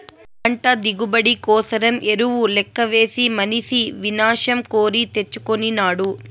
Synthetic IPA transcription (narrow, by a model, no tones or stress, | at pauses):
kɐɳʈɐd̪iɡubɐɽikɔːsɐɾɐmʔeɾuʋulɛkːɐʋe̞ːsimɐnisiʋinaːʂɐmkoːɾit̪e̞t͡ʃːukoninaːɽu